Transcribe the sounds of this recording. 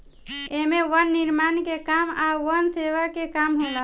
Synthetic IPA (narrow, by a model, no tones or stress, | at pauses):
emeʋənːiɾmankekamaʋənseʋəkekamɦolə